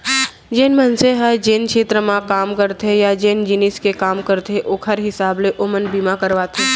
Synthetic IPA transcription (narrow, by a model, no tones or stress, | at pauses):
d͡ʒeːnmɐnseɦɛd͡ʒeːnkʃeːt̪ɾəmãkaːmkɐɾt̪ejad͡ʒeːnd͡ʒɪnɪskekaːmkɐɾt̪ʰeʔoːkɦɐɾɦɪsaːbleʔomənbiːmakɐɾʋaːt̪ʰe